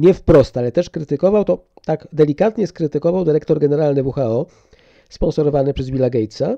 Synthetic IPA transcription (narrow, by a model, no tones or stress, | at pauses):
ɲɛfpɾɔst̪alɛt̪ɛʂkɾɘt̪ɘkɔvawt̪ɔt̪aɡd̪ɛlʲikat̪ɲɛskɾɘt̪ɘkɔvawd̪ɘɾɛkt̪ɔɾɡɛnɛɾalnɘvuxaɔ | spɔ̃nsɔɾɔvanɘpʂɛzvʲilaɡɛjt̪sa